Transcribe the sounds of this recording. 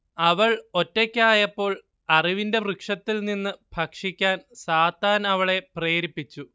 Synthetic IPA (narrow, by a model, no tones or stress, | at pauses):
ɐʋɐɭo̞tːekʲːaːjɐpːo̞ːɭ | ɐriʋinde̞mrɨkʂɐt̪ːilninːɨb̥ʱɐkʂikʲːaːnsaːt̪ːaːnɐʋɐɭe̞pre̞ːɾipːit͡ɕːu